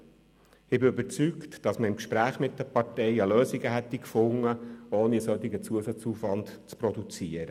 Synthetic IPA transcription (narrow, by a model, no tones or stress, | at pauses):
ɪbɪøbəɾt͡syktd̥ɑsməɾɪmkʃpɾæːχmɪt̚d̥əpɑɾtɛɪəløːsiɡəɦɛt̪ːikfʊŋːəoːniəsœt̪ːɪɡət͡suəsɑt͡suːfʋɑntt͡spɾɔd̪ut͡siəɾə